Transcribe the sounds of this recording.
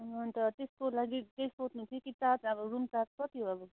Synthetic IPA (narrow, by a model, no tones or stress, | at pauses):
ɦʌnt̪ʌt̪eskolaɡit̪ejsot̪nũt̪ʰikit̪at̪ʌbʌɾumt̪at̪̚kʌt̪iɦoʌbʌ